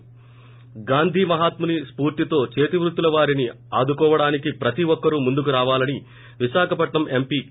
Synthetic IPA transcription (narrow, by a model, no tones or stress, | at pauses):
ɡaːnd̪ʱiːmɐɦaːt̪munispuːɾt̪it̪o̞ːt͡ʃe̞ːt̪iʋɾut̪ːulɐʋaːɾini | aːd̪ukɔːʋɐɽaːnikipɾɐt̪iʋɔkːɐɾumund̪ukuɾaːʋaːlɐni | ʋiʃaːkʰɐpɐʈɳɐme̞mpiː